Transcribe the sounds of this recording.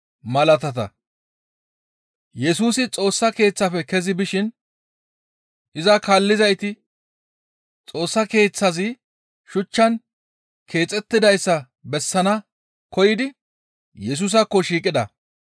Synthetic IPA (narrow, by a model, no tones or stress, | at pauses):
mɐlɐt̪ɐt̪ɐ̰ | jɛsuːsɪt͡sʼo̞ːsːɐke̞ːt͡sːɐfɛkɛzɪbɪʃɪn | ʔɪzɐkaːlːɪzɐjt̪ɪ | t͡sʼo̞ːsːɐke̞ːt͡sːɐzɪ | ʃʊt͡ʃːɐn | kʰe̞ːt͡sʼɛt̪ːɪd̪ɐjsːɐ | bɛsːɐnɐ | kɔjɪd̪ɪ | jɛs̬ʊs̬ɐkːɔʃiːkʼːɪd̪ɐ̰